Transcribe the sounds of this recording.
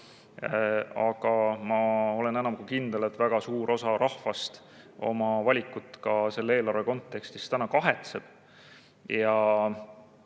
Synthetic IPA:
ɑɡ̥ɑmɑo̞le̞nenɑmkukind̪̥e̞let̪væɡ̥ɑsuːɾʔo̞sɑɾʔɑhfɑst̪ | o̞mɑvɑlʲikːˑut̪ːˑkɑse̞lːeeːlɑrveko̞nt̪ˑːe̞kst̪ist̪ænɑkɑɦet̪seb̥ | jɑ

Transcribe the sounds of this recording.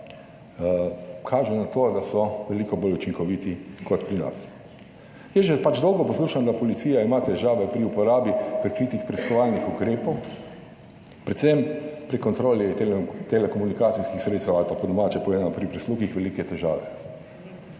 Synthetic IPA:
kʰaːʒɛnat̪oːd̪asɔʋɛlikɔboːlut͡ʃiŋkɔʋit̪ikɔt̪pɾina̰s | jɛʒɛpad͡ʒd̪ɔwɡɔpɔsluːʃand̪apɔlit̪siːjaimat̪ɛʒaːʋɛpɾiupɔɾaːbipɾɛkɾiːt̪ixpɾiskɔʋalnixukɾeːpɔw | pɾɛt̪sɛmpɾikɔnt̪ɾoːlit̪elɛkɔmunikaːt̪siskixsɾet̪st̪ɛwalpapɔd̪ɔmaːt͡ʃɛpɔʋezanɔpɾipɾisluːxixʋɛlikɛt̪ɛʒa̰ːʋɛ̰

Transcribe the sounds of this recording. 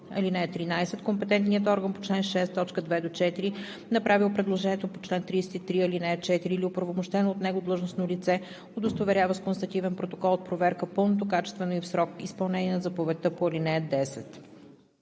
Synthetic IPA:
ɐ̰linɛət̪ːɾinajsɛt̪kompɛt̪ɛnt̪nijət̪ɔɾɡənpo̥t͡ʃlɛnʃɛst̪ːɔt͡ʃkəd̪vɛd̪ot͡ʃɛt̪iɾi | nɐpɾavilˠpɾɛd̪lˠoʒɛnʲiət̪opot͡ʃlɛnt̪ɾiːsɛt̪it̪ɾiɐlinɛət͡ʃɛt̪iɾiːlʲiopɾvomoʃt̪ɛnoːt̪nɛɡod̪lˠɤʒnosnolit̪sɛ | od̪ost̪ovɛɾʲjavəskonst̪ɐt̪ivɛnpɾot̪okɔlˠot̪̚pɾovɛɾkəpɤlˠnot̪̬okat͡ʃɛ̥st̪vɛnoifsɾɔkispɐlˠnɛnʲiɛnɐzɐpovɛt̪ɤpoɐlinɛəd̪ɛsɛt̪

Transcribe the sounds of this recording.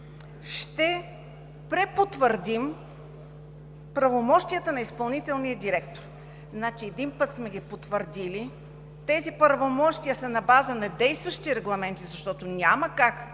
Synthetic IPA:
ʃt̪ɛ | pɾɛpot̪vəɾd̪im | pɾɐvomɔʃt̪ijət̪ənɐispɐlˠnit̪ɛlˠnijəd̪iɾɛkt̪oɾ | znat͡ʃiɛd̪inpɤt̪smɛɡʲipot̪vəɾd̪ili | t̪ɛzipɾvomɔʃt̪ijəsɐnɐbazənɐd̪ɛjst̪vəʃt̪iɾɛɡlˠɐmɛnt̪izɐʃt̪ɔt̪oʊnʲaməkak

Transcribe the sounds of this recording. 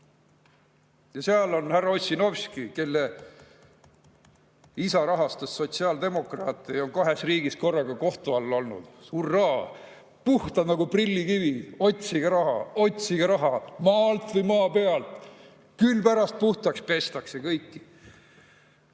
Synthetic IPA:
jɑseɑlo̞nhærːɑosʲino̞vskike̞lːe | isɑɾɑɦɑst̪usːo̞t̪ʲsiɑːld̪e̞mo̞krɑːt̪ːˑeo̞ŋkɑɦe̞sriːɡisko̞rːɑɡ̥ɑko̞ht̪uɑlːo̞lnṵd̪̥suːrːɑɦɑ | puht̪ɑnɑɡuprilːikivio̞t̪ʲsiɡ̥ɑɾɑɦɑo̞t̪ʲsiɡ̥ɑɾɑɦɑmɑːlt̪vɨjmɑːpe̞ɑlt̪ | kylpæɾɑst̪̚puht̪ɑkspe̞st̪ɑkse̞kɤjkːi̥

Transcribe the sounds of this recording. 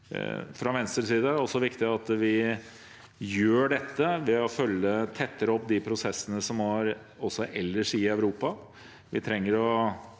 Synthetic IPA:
fɾɑʋɛnst̪əɾʂiːd̪əæɔsːɔʋɪkt̪ɪɑt̪ʋɪ | jøːɖɛt̪ːəʋɛɔfœlːət̪ʰɛt̪ʰːəɾɔpd̪ɪpʰɾʊsɛsːənəsɔmɑɾ | ɔsːɔʔɛlːəʂɪœʉɾuːpɑ | ʋɪt̪ʰɾɛŋːəɾɔ

